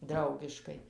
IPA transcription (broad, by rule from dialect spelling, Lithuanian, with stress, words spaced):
ˈdrɐʊɡʲɪʃkɐɪ